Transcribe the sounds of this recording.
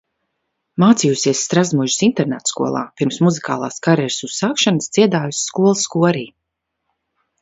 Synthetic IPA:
maːt̪sijusiɛsːt̪ɾazmuʒisint̪ɛɾnɛt̪skṵɔ̰lˠa̰ːpiɾmsmuzika̰ːlˠa̰ːskaɾɛɾsuz̥saːkʃanəsd̪ziɛd̪aːjusːkuɔlˠsːkuɔɾiː

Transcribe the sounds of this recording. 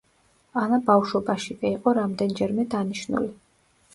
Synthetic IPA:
anabafʃɔbaʃikʼiiqʼɔɾamd̪ɛnd͡ʒɛɾmɛd̪aniʃnṵli

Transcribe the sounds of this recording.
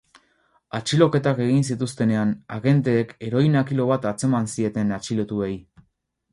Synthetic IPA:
at͡ʃilo̞ke̞t̪ake̞ɣ̞insit̪ust̪e̞ne̞anaɣe̞nt̪e̞ːke̞ɾo̞jnakilo̞βat̪at͡se̞mansie̞t̪e̞nat͡ʃilo̞t̪uej

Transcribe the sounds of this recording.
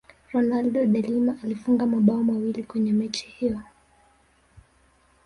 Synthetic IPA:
ɾɔnalɗɔɗalimaʔːlifuŋɡamaɓaɔmawilikwɛɲɛmɛt͡ʃi̥hijɔ

